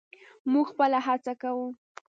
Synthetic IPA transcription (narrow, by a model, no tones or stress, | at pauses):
muɡxpəlaɦat͡sakawu